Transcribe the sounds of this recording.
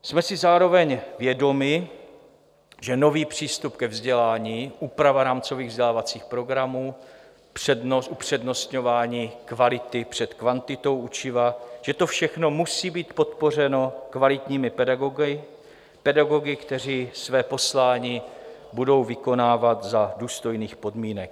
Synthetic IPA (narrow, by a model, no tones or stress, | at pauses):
smɛsɪzaːɾo̞vɛɲvjɛdo̞mɪ | ʒɛno̞viːpr̥iːst̪upkɛvzɟɛlaːɲiːʔuːpɾavaɾaːmt͡so̞viːɣvzɟɛlaːvat͡siːxpɾo̞ɡɾamuː | prɛdnoʔupr̝̥ɛdno̞st̪ɲo̞vaːɲiːkvalɪt̪ɪpr̝̥ɛt̪kvant̪ɪt̪o̞wʔut͡ʃɪvaʒ̥ɛt̪o̞fʃɛxno̞musiːbiːt̪po̞t̪̚po̞r̝ɛno̞kvalɪt̪ɲiːmɪpɛdaɡoɡɪ | pɛdaɡo̞ɡɪkt̪ɛr̝iːsvɛːpo̞slaːɲiː | budo̞wvɪko̞naːvat̪zaduːst̪o̞jniːxpo̞dmiːnɛk